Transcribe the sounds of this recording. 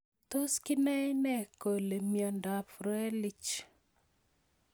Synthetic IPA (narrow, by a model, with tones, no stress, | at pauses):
t̪o˦skɪ˦nɛ˦jnɛ˦ko˨le˨mjɔ˨nda˨fɾɛ˦li˦t͡ʃ